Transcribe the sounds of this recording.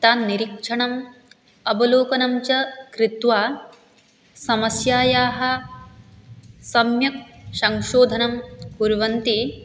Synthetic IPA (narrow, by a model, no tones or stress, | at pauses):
t̪aːnːiɾikʂʰɐɳɐm | ɐbɐloːkɐnɐmt͡ʃɐkɾit̪ʋaː | sɐmɐsjaːjaːɦɐ̆ | sɐmjɐk̚sɐŋʃoːd̪ʱɐnɐmpuɾʋɐnt̪i